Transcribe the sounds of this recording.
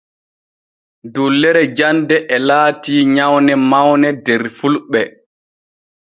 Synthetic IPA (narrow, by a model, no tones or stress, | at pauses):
dulːɛɾɛd͡ʒandɛʔɛlaːtiːɲawnɛmawnɛdɛɾfulɓɛ